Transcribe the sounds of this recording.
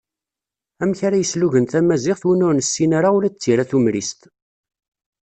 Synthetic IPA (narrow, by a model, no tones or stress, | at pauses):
æmçaɾæjəsluʝənθæmæzɪʁθwinʊɾnəsːinaɾaulæt͡sːiɾaθumɾist̪